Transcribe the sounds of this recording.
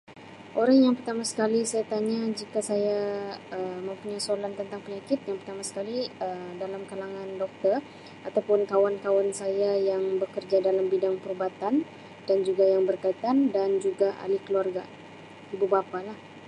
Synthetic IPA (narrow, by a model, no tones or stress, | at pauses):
ʔoɾaŋjaŋpərt̪amasə̥kalisajat̪aɲad͡ʒikasajaəmə̃mpuɲasolant̪ənt̪aŋpəɲakɪt̪̚jaŋpərt̪amasə̥kaliədalamkalaŋãndɔk̚t̪ər | at̪awpʊnkawankawansajajaŋbəkərd͡ʒadalambidaŋpəɾubat̪an | d̥and͡ʒuɡajaŋbərkait̪andand͡ʒuɡaʔa̰likəluarɡa | ibubapalah